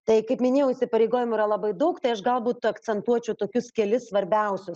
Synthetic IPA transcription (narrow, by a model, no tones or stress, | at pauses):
t̪ɐɪkɐɪpmʲɪnʲeːjɛʊisʲɪpɐɾʲeɪɡoːjʲɪmʊiːɾɐlˠɐbɐɪd̪ɐʊkt̪ɐɪɐʃɡɐlˠbuːt̪ɐkt͡s̪ʲɛnt̪uɔt͡ʃʲɛʊt̪oːkʲʊskʲɛlʲɪssʋɐɾʲbʲɛʊsʲʊs